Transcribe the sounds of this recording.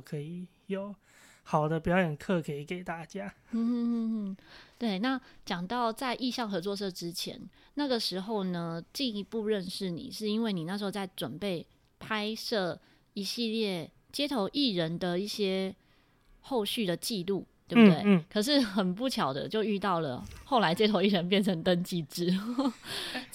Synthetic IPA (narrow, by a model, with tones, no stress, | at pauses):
kʰə˧˥i˨˩ | jo˨˩˦ʊ | xɑ˨˩ʊd̪ə˦pjɑ˨˥ʊjə˨˩nkʰɤ˥˨kʰə˧˦˥i˨˩ke˨˩ɪt̪a˥˩t͡ɕja˦˥n̩˥˧˥t̪we˥˩ɪna˥˨t͡ɕjɑ˨˩ŋt̪ɑ˥˧ʊt͡sa˥˧ɪʔi˥˧ɕjɑ˥˩ŋxɤ˧˥t͡swɔ˥˧ʂ̬ɤ˥˧ʈ͡ʂɻ̩˦t͡ɕʰjɛ̰˧˦n | na˥˩ɡə˨˩ʂɻ̩˧˥xo˥˩ʊnə˨t͡ɕi˥˩ni˧pu˥˧ɻə˥˧nʂɻ̩˥˩nḭ˨˩ʂɻ̩˥˩i˥nwe˥˩ɪni˨˩na˥˩ʂɻ̩˧˥o˥˧ʊt͡sa˥˩ɪʈ͡ʂwə˨˩npe˥˩ɪ | pʰa˥ɪʂɤ˥˩ | i˧˥ɕi˥˧ljɛ˥˩ | t͡ɕjɛ˥t̪ʰo˧˥ʊʔi˥˩ɻə˧˦nd̪ə˨i˥˩ɕjɛ˥ | xo˥˧ʊɕy˥˩d̪ə˩t͡ɕi˥˧lu˥˩t̪we˩bbu˩we˥˩ɪkʰɤ˨˩ʂ̬ɻ̩˥˩xə˨˩npu˥˩t͡ɕʰjɑ˨˩ʊd̪ə̰˦t͡ɕjo˥˧ʊy˥˧t̪ɑ˥˩ʊlə̰˩xo˥˩ʊla˧˥ɪt͡ɕjɛ˥t̪ʰo˧˥ʊi˥˩ɻə˧˦np̬jɛ˥˩nʈ͡ʂʰə˧˥ŋt̪ə˥nt͡ɕi˥˩ʈ͡ʂɻ̩˥